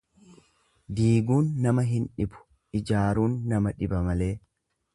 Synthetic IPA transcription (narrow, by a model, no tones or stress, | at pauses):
d̪iːɡuːnːɐmɐɦɪnᶑɪbʊ̥ | ʔɪd͡ʒaːɾuːnːɐmɐᶑɪbɐmɐle̞ː